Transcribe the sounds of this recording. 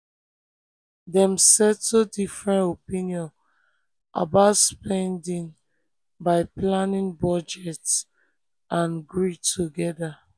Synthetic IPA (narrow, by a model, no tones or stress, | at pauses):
dɛ̃msɛtːodifɹɛ̃ntopĩniɔ̃n | ʔa̰baʊtspɛ̃ndĩŋ | baɪplãnĩŋbɔd͡ʒɛts | ʔãnɡɹitʰuɡɛda